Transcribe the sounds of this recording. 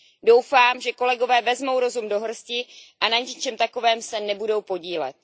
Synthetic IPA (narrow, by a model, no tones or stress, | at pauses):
do̞wfaːmʒɛko̞lɛɡo̞vɛːvɛzmo̞wɾo̞zumdo̞ɦr̩scɪʔanaɲɛt͡ʃɛmt̪ako̞vɛːmsɛnɛbudo̞wpo̞ɟiːlɛ̰t̪̚